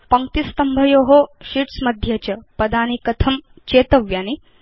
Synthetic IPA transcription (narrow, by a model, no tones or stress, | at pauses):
pɐŋkt̪ist̪ɐmbʱɐjoːɦoʃiʈsmɐd̪ʱjɐt͡ɕɐpɐd̪aːnikɐt̪ʰɐm | t͡ʃeːt̪ɐʋjaːni